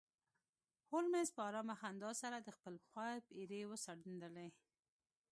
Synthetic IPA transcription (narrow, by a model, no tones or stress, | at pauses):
holmezpɑɾɑmaxand̪ɑsaɾad̪əxpəlxɑjpiɾewəsaɽund̪əle